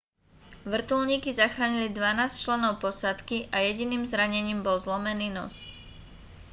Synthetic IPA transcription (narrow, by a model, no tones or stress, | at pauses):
ʋr̩t̪ulɲiːkizaxɾaːɲilid̪ʋanaːst͡ʃlɛnɔʊpɔsat̪kiʔajɛɟiniːmzɾaɲɛɲiːmbɔlzlɔmɛniːnɔ̰s